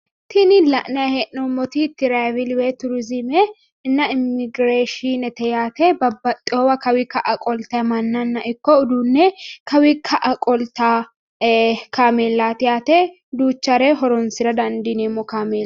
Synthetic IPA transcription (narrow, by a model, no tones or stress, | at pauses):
t̪ʰɪnɪlɐʔnɐheʔnɔmɔt̪it̪ːɪɾavɪlwet̪ʊɾʊzɪmɛ | ɪnːɐɪmːɪɡɾeːʃɪnɛt̪ɛjaːt̪ebɐbːɐt̪ʼːɪoːwɐkɐwɪkɐʔɐkʼɔlt̪ɐmɐnːɐnːɐʔɪkːɔʊd̪uːnːɛkɐwɪkʰɐʔɐkʼɔlt̪aː | kaːmeːlːaːt̪ɪjaːt̪e | d̪uːt͡ʃːɐɾɛɦɔɾɔnsɪɾɐd̪ɐnd̪ɪneːmːɔkaːmeː